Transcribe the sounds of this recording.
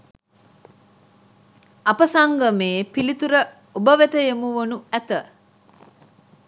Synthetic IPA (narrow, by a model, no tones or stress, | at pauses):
ɐpəsaŋɡəmeːpilit̪uɾə | obəʋet̪əjemuʋonuæt̪ə